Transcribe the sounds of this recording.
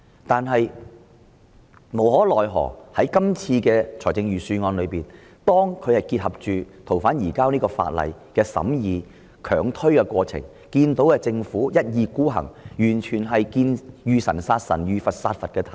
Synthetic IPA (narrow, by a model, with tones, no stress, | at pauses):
t̪aː˨nɦɐ˨j | mo˨˩whɔː˨˥lɔː˨˩jɦɔ̰ː˨˩hɐ˨˥jkɐ˥mt͡sʰiː˧kɛː˧t͡ʃʰɔː˨˩jt͡sɪ˧ŋjyː˨syː˧ŋɔː˧nlɵ˨˧ɥpiː˨n | t̪ɔː˥ŋkʰɵ˨˧ɥhɐ˨jki˧t̚hɐ˨p̚t͡ʃyː˨t̪ʰo˨˩wfaː˨˥njiː˨˩kaː˥wniː˥kɔː˧fa̰ː˧t̚lɐ̰˨˩jkɛː˧sɐ̰˨˥mjiː˨˧ | kʰœː˨˩ŋt̪ʰɵ˥ɥkɛː˧kʷwɔː˧t͡sʰɪ̰˨˩ŋ | kiː˧nt̪o˨˥wkɛː˧t͡sɪ˧ŋfuː˨˥jɐ˥t̚jiː˨˧kuː˥ɦɐ̰˨˩ŋjyː˨˩nt͡ʃʰyː˨˩nɦɐ˨jkiː˧njyː˨˧sɐ̰˨˩nsaː˧t̚sɐ̰˨˩njyː˨˧fɐ˨t̚saː˧t̚fɐ˨t̚kɛː˧t̪ʰɐ˨